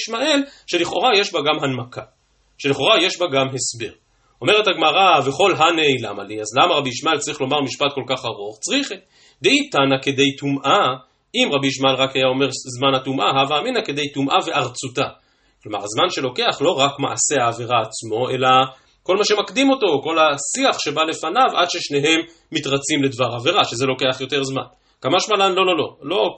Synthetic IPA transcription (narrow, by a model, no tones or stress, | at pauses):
ʃmaʔe̞lʃe̞liχo̰ʁaje̞ʃbaɡamɦanmaka | ʃe̞liχo̞ʁaje̞ʃbaɡamɦe̞sbeʁ | o̞me̞ʁe̞thaɡmaʁaveχo̞lɦanejlamaliazlamaʁabiiʃmae̞lt͡saʁiχlo̞maʁmiʃpat̪̚ko̞lkaχaʁuχt͡sʁiχ | d̪eitanake̞d̪e̞jtumʔa | imʁabiiʃmae̞lʁakhajao̞me̞ʁzmanhatumʔaɦavaːminake̞d̪e̞jtumʔave̞ʔaʁt͡suta | klo̞ma̰ʁazmanʃe̞lo̞ke̞aχlo̞ʁakma̰ʔase̞aːve̞ʁaːt͡smo̞e̞la | ko̞lmaʃe̞makd̪imo̞to̞ko̞lasiaχʃe̞bale̞fanava̰d̪ʃe̞ʃne̞ɦe̞mː | itʁat͡simledvaʁaveʁaʃeze̞lo̞ke̞aχjo̞te̞ʁzma̰n | kamaʃmalanlo̞lo̞lo̞̰lo̞